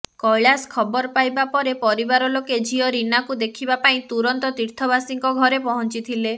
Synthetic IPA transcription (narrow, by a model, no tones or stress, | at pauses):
kɔjɭaskʰɔbɔɾɔpajbapɔɾepɔɾibaɾɔloked͡ʒʱiɔɾinakud̪ekʰibapaĩt̪uɾɔnt̪ɔt̪iɾt̪ʰɔbasiŋkɔɡʱɔɾepɔɦɔnt͡ʃit̪ʰile